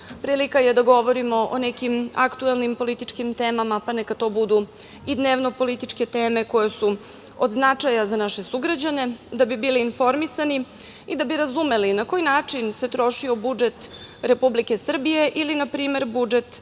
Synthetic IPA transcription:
pɾiːlikajed̪aɡo̞ʋo̞ɾimo̞ʔonekima̰kt̪uelˠnimpo̞lit̪it͡ʂkimt̪e̞ːmamapanekat̪o̞ːbud̪u | id̪neʋno̞po̞lit̪it͡ʂke̞t̪e̞ːme̞ko̞jesu | od̪znat͡ʂajazanaʃe̞suɡɾad͡ʑane̞d̪abibiːliːnfo̞ɾmisani | id̪abiɾazume̞linakojnaːt͡ʂinse̞t̪ɾo̞ʃio̞bud͡ʒe̞t̪ɾe̞publike̞sr̩bije̞ʔilinapɾiːme̞ɾbud͡ʒe̞t̪

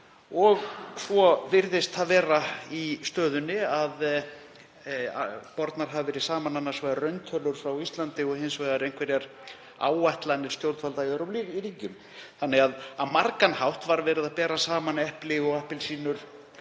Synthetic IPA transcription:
ɔɣsɔvɪɾðɪst̪aðvɛːɾaist̪œːðʏnːɪað | pɔɾt̪naɾ̥ɦavɪvɛːɾɪsaːmananːaɾ̥svajðarœɥnt̪ʰœlʏɾ̥fɾawist̪lant̪ɪɔɣhɪnsvajðaɾejŋ̥kvɛɾjɛɾ | a̰ːwaht̪lanːɪɾ̥st̪jowlt̪falt̪aiœwɾɔplɾiːcʏm | θanːɛɣaðaðmaɾkanhawht̪vaɾvɛːɾɪðaðpɛːɾasaːmanɛhplɪɣɔɣɛhpɪlsiːnʏɾ̥

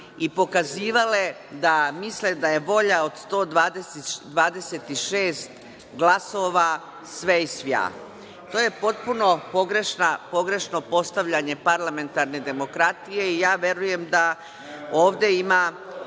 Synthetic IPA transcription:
ipo̞kaziːʋale̞ | d̪amisled̪aje̞ʋo̞ʎao̞d̪st̪o̞ːd̪ʋaːd̪esed̪ʋaːd̪e̞set̪iʃeːst̪ | ɡlaso̞ʋa | sʋeisʋja̰ː | t̪oːje̞po̞t̪̚puno̞po̞ɡɾe̞ʃnapo̞ɡɾe̞ʃno̞po̞st̪aʋʎaɲe̞paɾlame̞nt̪aɾne̞d̪e̞mo̞kɾat̪ijeijaːʋje̞ɾuje̞md̪a | oːʋd̪e̞imaː

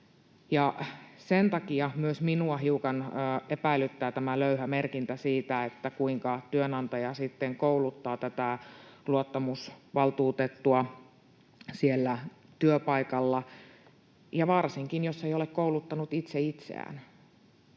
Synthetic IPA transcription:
jɑsent̪ɑkiɑmyøsminuɑɦiukɑnːepæilːˑyt̪ːæːt̪æmæløyhæmerkint̪æsiːt̪æet̪ːækuiŋkɑt̪yønɑnt̪ɑjɑsit̪ːeŋkoulut̪ːɑːt̪æt̪æluot̪ːɑmusʋɑlt̪uːt̪et̪ːuɑ | sielːæ | t̪yøpɑikɑlːɑ | jɑʋɑrsiŋkinjosːeijolekkoulut̪ːɑnut̪it̪seit̪sḛæ̰ːn

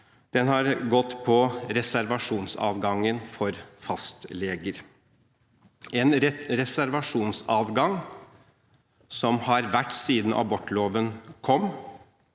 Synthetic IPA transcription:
d̪̥ɛnhɑɾɡɔt̪ːpʰɔɾɛsæɾʋɑʂuːnsɑ̰ːʋɡɑŋːənfɔɾfɑst̪leːɡəɾ | ɛnɾɛsæɾʋɑʂuːnsɑːʋɡɑŋ | sɔmhɑɾʋæʈːsiːd̪n̩ʔɑ̰bɔʈːloːʋənkʰɔm

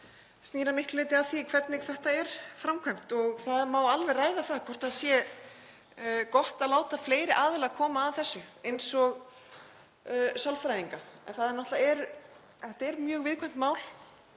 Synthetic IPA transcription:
st̪iːɾamɪhklɪːt̪ɪaθikʰvɛt̪̚nɪθɛht̪aɛɾ̥fɾamkʰvajm̥t̪ɔɣθaðmaːwalvɛraːjðaθaðkʰvɔr̥t̪aðsjɛ | kɔht̪aðlaːwt̪afleːjɾɪʔaːðɪlakʰɔːmaːðθɛsːʏejnsɔɣ | salfɾajðiŋkaɛ̰nθaðɪnɔht̪laɛɾ | θɛht̪aɛɾmjœːɣvɪðkʰvɛjm̥t̪maːwl

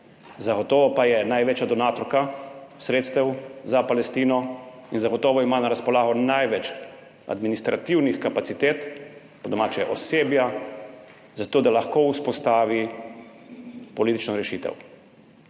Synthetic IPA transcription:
zaɡɔt̪ɔːʋɔpajɛnajʋeːt͡ʃjad̪ɔnaːt̪ɔɾkasɾeːt̪st̪ɛwzapalɛst̪iːnɔinzaɡɔt̪ɔːʋɔimaːnaɾaspɔlaːɣɔnajʋɛt͡ʃ | a̰d̪minist̪ɾa̰t̪iwnixkapasit̪eːt̪ | pɔd̪ɔmaːt͡ʃɛʔɔseːbja | zat̪oːd̪alaxkouspɔst̪aːʋi | pɔliːt̪it͡ʃnɔɾɛʃiːt̪ɛ̰w

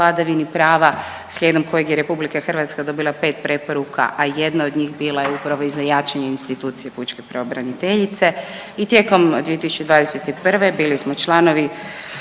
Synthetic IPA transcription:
ad̪aʋinipɾaːʋa | sʎʲed̪omkʰojekjeɾe̞publikaxərʋat̪skad̪o̞bilˠape̞ːt̪̚pɾe̞po̞ɾukʰa̰ʔaje̞d̪nao̞d̪ɲiːxbiːlajeupɾaʋo̞izajaːt͡ʃaɲeinst̪it̪uːt̪sije̞put͡ʃkepɾeobɾanit̪e̞ʎit̪se̞ | it̪jeko̞md̪ije̞t̪isu̥t͡ʃed̪ʋaːd̪ese̞t̪ipr̩ʋe̞biːlismo̞t͡ʃlˠano̞ʋi

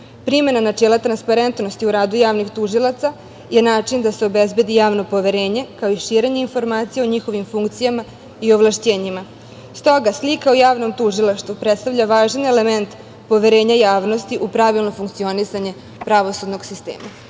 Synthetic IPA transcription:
pɾime̞nanat͡ʃeːlˠat̪ɾanspaɾe̞nt̪no̞st̪iuɾaːd̪ujaːʋnixt̪uʒilˠat̪sa | je̞naːt͡ʂind̪ase̞o̞bezbe̞d̪ijaːʋno̞po̞ʋe̞ɾe̞ːɲe̞kaoiʃiːɾe̞ɲeinfo̞ɾmaːt̪sijeo̞ɲixo̞ʋimfuŋkt̪sijama | io̞ʋlˠaʃt͡ɕe̞ːɲima | st̪o̞ɡaslikaojaːʋno̞mt̪uʒilˠaʃt̪ʋupɾet̪st̪avʎʲaʋaːʒane̞le̞ment̪ | po̞ʋe̞ɾe̞ːɲajaːʋno̞st̪iʔupɾaʋilˠno̞fuŋkt̪sio̞nisaɲe̞ | pɾaʋo̞sud̪no̞ɡsist̪ḛːma

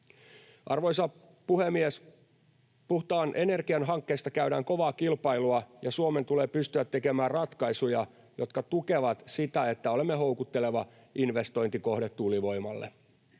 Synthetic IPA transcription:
ʔɑrʋo̞jsɑ | puhemːies | puht̪ɑːnʔe̞ne̞rkiænɦɑŋkːe̞ːst̪ɑkæyɾæːŋko̞ʋɑːkilpɑiluɑjɑsuome̞nt̪uleːpyst̪yæt̪ːe̞kemæːrrɑt̪kɑjsujɑ | jo̞t̪̚kɑt̪uke̞ʋɑt̪sit̪æet̪ːæo̞lemːeɦo̞wkut̪ːe̞le̞ʋɑ | inʋe̞st̪o̞jnt̪iko̞hdet̪tuliʋo̞jmɑ̰lːḛ

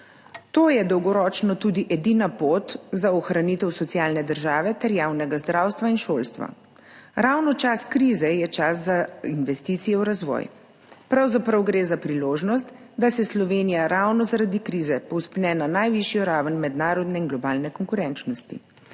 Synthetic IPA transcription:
t̪oːjɛd̪ɔwɡɔɾɔːt͡ʃnɔt̪ud̪iʔɛd̪iːnapot̪zaɔxɾaniːt̪ɛwsɔt̪sijaːlnɛd̪əɾʒaːʋɛt̪ɛɾjaːwnɛɡazd̪ɾaːwst̪ʋainʃoːlst̪ʋa̰ | ɾawnɔt͡ʃaskɾiːzɛjɛt͡ʃaszainʋɛst̪iːt̪sijɛwɾazʋɔ̰j | pɾawzapɾawɡɾeːzapɾiloːʒnɔst̪ | d̪asɛslɔʋenijaɾawnɔzaɾad̪ikɾiːzɛpɔwspnɛnanajʋiʃijɔɾaːʋənmɛd̪naːɾɔd̪nɛinɡlɔbaːlnɛkɔŋkuɾɛnt͡ʃnɔst̪ḭ

